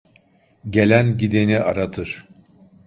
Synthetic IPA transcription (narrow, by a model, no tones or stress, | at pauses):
ɟe̞lʲænɟid̪eniʔa̰ɾat̪ʰɯɾ̥